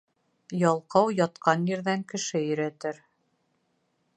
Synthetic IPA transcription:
jɑlˠqɑwjɑt̪qɑnjɘ̆ɾðæŋkɘ̆ʃɘjɵ̆ɾæt̪ɘɾ

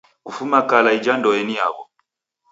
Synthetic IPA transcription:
kufumakalaid͡ʒandɔɛnija̰βɔ

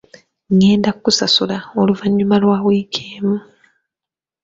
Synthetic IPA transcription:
ŋe̞ːndakkusasulaoluvaɲːumalwaːwiːkʰeːmu

